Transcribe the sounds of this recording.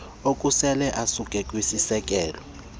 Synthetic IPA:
okʼusɛlɛʔasukʼɛkʼwisisɛk̬ʼɛːlɔ

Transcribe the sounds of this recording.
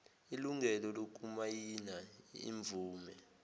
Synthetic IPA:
iluŋɡɛlɔlok̬ʼumajinaḭɱb̪vʱuːmɛ

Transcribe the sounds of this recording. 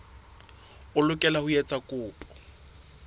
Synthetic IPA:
ʊlʊkʼɛlahʊjɛt͡sʼakʼʊːpʼɔ̥

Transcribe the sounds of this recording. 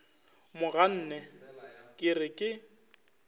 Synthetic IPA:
mʊɣan̩ːnɛkʼɪrɪkʼɪ

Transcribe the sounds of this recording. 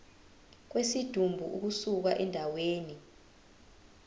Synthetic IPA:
k̬wesid̥ʱumbʱuʔuk̬usuk̬aʔɛndʱaweːni

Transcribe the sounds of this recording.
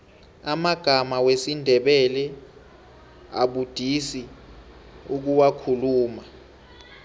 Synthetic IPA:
amaɡ̥ʱamawesindʱɛɓɛlɛ | a̰ɓud̥ʱisi | uk̬uwakʰuluːma

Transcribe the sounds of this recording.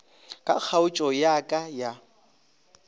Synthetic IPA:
kʼa̰k͡xʰaʊt͡ʃʼɔjakʼaja

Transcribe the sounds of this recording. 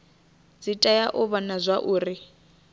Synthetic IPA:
d͡zitʼajaʔʊβanazʷaʔuːri

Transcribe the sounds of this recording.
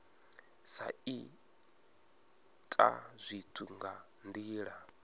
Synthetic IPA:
sa̰i | tʼa̰zʷitʰuŋɡa | ndiːɺa

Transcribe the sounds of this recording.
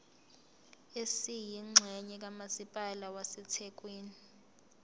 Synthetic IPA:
esijiŋ͡ǁʱɛɲɛk̬amasipʼalawasɛtʰɛk̬ʼweːni

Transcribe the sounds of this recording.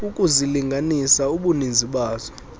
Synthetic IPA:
ukʼuziliŋɡʱanisauɓunind͡zʱiɓaːzɔ

